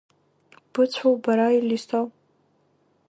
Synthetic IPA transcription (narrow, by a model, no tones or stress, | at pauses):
b̥ɨt͡sʷʰowbaɾailistʰow